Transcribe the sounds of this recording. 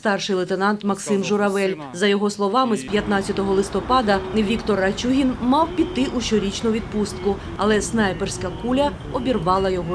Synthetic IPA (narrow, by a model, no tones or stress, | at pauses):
st̪ɑrʃɪjlˠet̪enɑnt̪mɐksɪmʒʊɾɐʋɛlʲ | zɐjɔɦɔslˠɔʋɑmɪspʲjɐt̪nɑt͡sʲɐt̪ɔɦɔlˠɪst̪ɔpɑd̪ɐnɪʋʲikt̪ɔrɐt͡ʃʲuɦʲinmɑwpʲit̪ːɪʔuʃɔɾʲit͡ʃnʊʋʲid̪̚pust̪kʊ | ɐ̰lˠɛsnɑjpersʲkɐkulʲɐ | ɔbʲirʋɑlˠɐjɔɦɔ